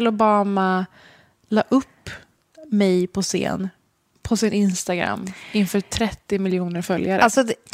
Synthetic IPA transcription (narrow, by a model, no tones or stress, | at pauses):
lʊbɑːma | lɑ̰ːʔɵpː | mɛjpʰɔsɪ̰ːn | pʰɔsɪnɪnst̪aɡɾa̰mːɪnfœːʈʰɾɛt̪ːɪmɪljuːnəɾfœljaɾ̰alsɔd̪ɛ